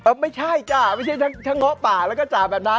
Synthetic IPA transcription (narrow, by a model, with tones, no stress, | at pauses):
ʔɤː˧˩ma˥˩jt͡ɕʰa˥˩jt͡ɕa˧˩ma˥˩t͡ɕʰa˥˩jt̪ʰa˦˥ŋt̪ʰa˦˧˥ŋːɔ˦˥paː˨˩lɛː˦˥wkɔː˥˩t͡ɕaː˨˩bɛː˨˩p̚na˦˥